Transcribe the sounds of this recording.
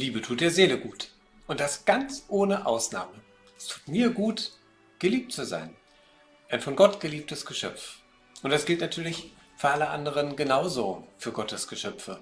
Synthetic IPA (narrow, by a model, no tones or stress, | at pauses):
liːbətʰuːt̚d̥eːɐzeːləɡuːt | ʔʊnt̚d̥asɡ̥ant͡sʔoːnəʔaʊsna̰ːmə | ɛstʰu̥ːtmiːɐɡuːt | ɡ̥əliːp̚tt͡suza̰ɪn | ʔaɪnfɔnɡɔtɡ̥əliːp̚təsɡ̥əʃœ̰pp͡f | ʔʊntd̥asɡ̥ɪltnatʰyːɐlɪç | fyːɐʔaləʔa̰ndəʁ̞ənɡənaʊzoːfyːɐɡɔtəsɡ̥əʃœpp͡fə̰